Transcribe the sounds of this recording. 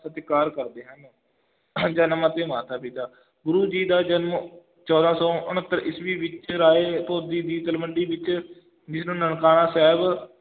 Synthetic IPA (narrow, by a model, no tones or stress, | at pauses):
sət̪kaːɾkəɾd̪eːɦən | d͡ʒənmãːt̪eːmaːt̪ʰaːpit̪aː | ɡʊɾuːd͡ʒiːd̪aːd͡ʒənm | t͡ʃɔːd̪ãːsɔ̃ːʔʊnət̪ːəɾɪsʋiːʋɪt͡ʃɾaːeːt̪oːd̪iːd̪iːt̪əlʋəɳɖiːʋɪt͡ʃ | d͡ʒɪsnũːnəɳkaːnãːsɛːb